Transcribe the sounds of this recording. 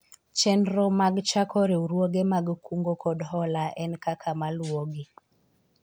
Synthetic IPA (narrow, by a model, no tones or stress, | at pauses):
t͡ʃɛndɾɔmaɡt͡ʃakɔɾeuɾwoɡemaɡkuŋɡokɔdɦɔlaʔɛnkakʰamalwoɡi